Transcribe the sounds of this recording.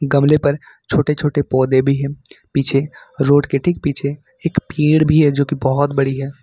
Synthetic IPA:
ɡɐmlepɐɾ | t͡ʃʰoːʈet͡ʃʰoːʈepɔːd̪ebʱiɦɛ̃ːpiːt͡ʃʰeɾoːɖkeʈʰik̚piːt͡ʃʰe | eːkpiːɽbʱiɦɛd͡ʒoːkibɔɦɔt̪bɐɽiɦɛː

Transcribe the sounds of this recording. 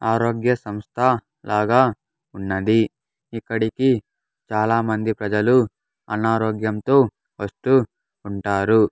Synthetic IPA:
aːɾoːɡjɐsɐmst̪ʰɐ | laːɡaː | unːɐd̪i | ikːɐɽiki | t͡ʃaːlaːmɐnd̪ipɾɐd͡ʒɐlu | ɐnaːɾoːɡjɐmt̪oː | ʋɐsʈuː | ɳʈaːɾu

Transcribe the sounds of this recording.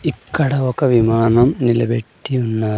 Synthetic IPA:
ikːɐɽɐʋokːɐʋimaːnɐmnilɐ̰beʈːijunːɐ

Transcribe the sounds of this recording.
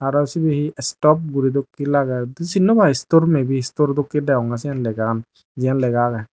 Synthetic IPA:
aɾɔsibihiɛstɔp̚ɡuɾid̪ɔkːilaɡadsinːɔbaistoɾmebihistoɾd̪ɔkːidɛɔŋɡas̬ijanlɛɡan | zijanlɛɡaɡaj

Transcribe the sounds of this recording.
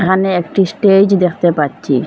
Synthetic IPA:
kʰaneekʈisʈed͡ʑd̪ekʰt̪epaɾɕʰi

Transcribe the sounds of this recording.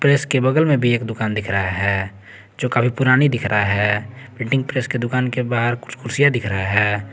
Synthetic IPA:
pɾeːskebəɡəlmẽbʱieːkd̪ʊkaːnd̪ɪkʰɾəɦaɦɛː | d͡ʒoːkabʰʱipʊɾaːnid̪ɪkʰɾaɦɛː | pɾɪ̃ːʈɪ̃ŋɡ̚pɾeːsked̪ʊkaːnkebaːɦəɾkʊ̥t͡ʃʰkʰʊɾsijad̪ɪkʰɾəaɦɛː

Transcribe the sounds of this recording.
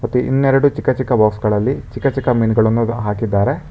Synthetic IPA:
mɐt̪ːiʔḭnːeɾɐɽut͡ʃikːɐt͡ʃikːɐbaːksɡɐɭɐlːit͡ʃikːɐt͡ʃikːɐmiːnɡɐɭɐnːuɦaːkid̪ːaːɾe̞

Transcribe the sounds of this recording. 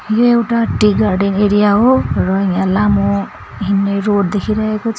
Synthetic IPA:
jewʈaʈiɡaɾɖineɾijaɦoɾɔijãlamo | ɦinːeɾoɖd̪ekʰiɾaɦekot͡sʰ

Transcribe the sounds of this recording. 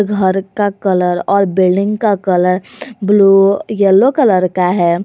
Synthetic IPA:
ɡʱəɾkakələɾɔːɾbɪlɖɪ̃ŋɡkakələɾblujɛlːokələɾkaɦɛ

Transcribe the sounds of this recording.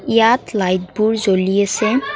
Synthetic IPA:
ijat̪lajt̚buɹzolijesɛ

